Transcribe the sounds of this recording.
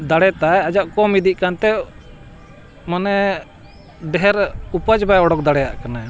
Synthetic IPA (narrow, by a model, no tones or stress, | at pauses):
d̪aɽɛt̪ajad͡ʒaʔkɔmid̪iʔ̚kant̪ɛ | manɛ | ɖɛɦɛɾupad͡ʒbajɔɽɔk̚d̪aɽɛja̰ʔkana